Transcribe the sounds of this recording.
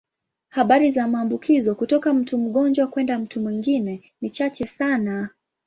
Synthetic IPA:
haɓaɾizamaːmbukʰizɔkutɔkam̩tum̩ɠɔnd͡ʒwakwɛndam̩tumwiŋɡinɛ | nit͡ʃat͡ʃɛsana

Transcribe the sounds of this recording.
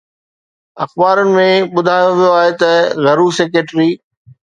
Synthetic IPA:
ɐxbaːɾənɪ̆mẽɓʊd̪ʱaːjoʋijoaːɦet̪ɐɣɐɾuːseːk̬ɾeʈɾiː

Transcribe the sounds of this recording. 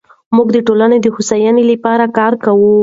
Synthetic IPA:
muɡd̪əʈolaned̪əhusajɑnelapɑɾakɑɾkawu

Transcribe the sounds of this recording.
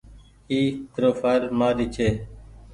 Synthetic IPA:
iːt̪ɾoːfaːɾmaːɾiːt͡ʃʰeː

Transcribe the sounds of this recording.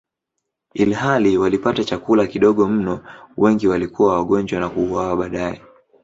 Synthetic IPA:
ilhaliwalipatat͡ʃakulakiɗɔɠɔm̩nɔwʔɛŋɡiwalikuwawaɠɔɲd͡ʒwanakuːwawaɓaːɗaɛ

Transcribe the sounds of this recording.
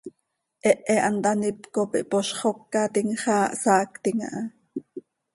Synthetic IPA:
ʔɛʔɛʔɑnt̪ɑnipkopiʔpoʃχokːɑt̪iŋχɑːʔsɑːkt̪iŋa̰ʔɑ

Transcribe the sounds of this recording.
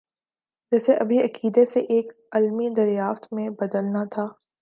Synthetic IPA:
d͡ʒɛːseʔɐbʱiɐkiːd̪eseʔeːk | ɐlmid̪ɐɾjaːft̪mẽbɐd̪əlnat̪ʰaː

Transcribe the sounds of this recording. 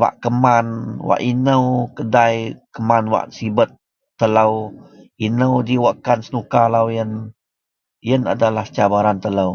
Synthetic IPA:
wa̰ʔkəmanwa̰ʔinəwkədajkəmanwa̰ʔsibət̪̚ː | ələw | inəwdiwaʔkansənukalawjən | jəna̰dalaht͡ʃabaɾant̪ələw

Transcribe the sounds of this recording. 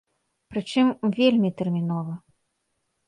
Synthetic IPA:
pɾɨt͡ʂɨmvʲelʲmʲit̪ɛrmʲinɔvɐ

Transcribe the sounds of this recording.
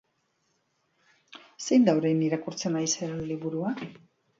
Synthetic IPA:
se̞jnd̪awɾejniɾakuɾt͡se̞najseɾenliβuɾua

